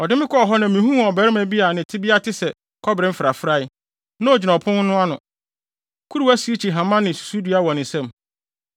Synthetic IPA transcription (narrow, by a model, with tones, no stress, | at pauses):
ɔ˨dɪ˦mɪ̃˦kɔ˦ɔ˨ɦɔ˦nã˨mĩ˨ɦũ˦˨ɔ˨bɛ˨˦ɾɪ˦mã˨bi˦a˨nɪ̃˨tʰɪ˦bi˦a˦tʰɪ˦sɛ˨ | kʰɔ˦bɪɾɪ̃˦m̩˦fɾa˨fɾa˦ɪ˦ | nã˦ɔ˨d͡ʑɪ˨nã˨pʰʊ̃˦n˦nʊ̃˦a˦nʊ̃˨ | kʰu˦ɾu˦æ˦si˨˦e˦t͡ɕʰi˨ɦã˨mã˦nɪ̃˨su̥˨su˦di˦a˦wɔ̃˨nɪ̃˨sɛ̃˦˨m